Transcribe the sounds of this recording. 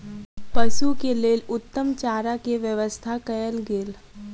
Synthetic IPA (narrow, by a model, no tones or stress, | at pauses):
pɐʃukeleːlʊt̪ːəmt͡ʃaːɾakeʋjəʋəst̪ʰakɐjəlɡeːl